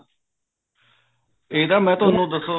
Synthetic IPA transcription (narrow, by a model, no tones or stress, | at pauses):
eːid̪aːmɛ̃ːt̪ʊɦənũːd̪əsoː